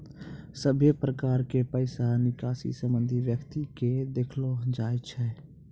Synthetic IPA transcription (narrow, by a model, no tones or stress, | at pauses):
səbʱjepɾəkaːɾkepəɪsanɪkaːsḭsə̃mbə̃nd̪ʱiʋjəkt̪iked̪eːkʰlod͡ʒaːet͡ʃʰɛː